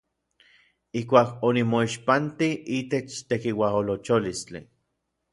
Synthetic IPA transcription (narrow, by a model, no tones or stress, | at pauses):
ihkʷaːkonimoiʃpant̪iʔiːt̪et͡ʃt̪ekiwaɦolot͡ʃolist͡ɬḭ